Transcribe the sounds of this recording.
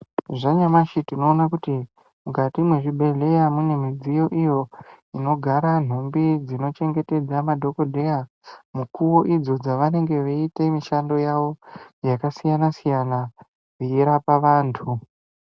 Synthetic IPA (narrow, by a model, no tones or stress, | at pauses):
ʐaɲamaʃitino̞ːnak̬uti | mukatimwe̞ʐibʱe̞ɮe̞jamune̞mid͡zijo̞ʔijo̞ | ino̞ɡʱaɾan̤ombid͡zino̞t͡ʃe̞ŋɡe̞te̞d͡zamadʱo̞ko̞dʱe̞ja | mukuwo̞ʔid͡zo̞d͡zaʋane̞ŋɡe̞ʋeitemiʃando̞jaʋo̞jakasijanasijana | riiɾapaʋaːntʰu